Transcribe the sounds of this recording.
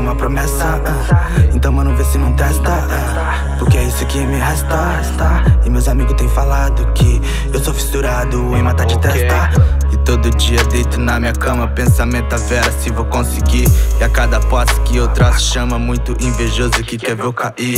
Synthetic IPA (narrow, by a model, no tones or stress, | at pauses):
ũmɐpɾomɛsɐ | aẽt̪ɐ̃w̃mɐ̃nũvesɪnɐ̃w̃t̪ɛst̪ɐ | a | pʊɾkeɛisʊkɪmɪɦast̪a | st̪aɪmewzamiɡʊst̪ẽj̃ʊ̃falad̪ʊkʰɪ | ewsovist̪uɾad̪ʊẽj̃mat̪aɾd͡ʒɪt̪ɛst̪ɐ | ɪt̪od̪ʊd͡ʒiɐd̪ejt̪ʊnɐmĩɲɐkɐ̃mɐpẽsamẽnt̪ʊɐfɛɾɐsɪvowkõsɪɡiɪakad̪ɐpaskɪowt̪ɾɐʃɐ̃mɐmũj̃t̪ʊʔẽveʒozʊkɪkɛvewkai